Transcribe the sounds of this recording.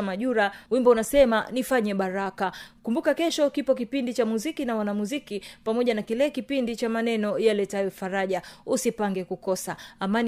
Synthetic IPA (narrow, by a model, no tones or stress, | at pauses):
maʄuɾawimbɔunasɛma̰nifaɲɛɓaɾakakumbukakɛʃɔkipɔkipindit͡ʃamuzikinawanamuzikipamɔʄanakilɛkipindit͡ʃamanɛnɔjalɛtajɛfaɾaʄausipaŋɡɛkukɔsaːman